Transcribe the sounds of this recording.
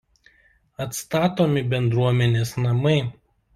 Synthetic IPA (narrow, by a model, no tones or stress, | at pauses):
ɐt̪st̪ɑːt̪oːmʲɪbʲɛnd̪ɾuɔmʲɛnʲeːsnɐmɐɪ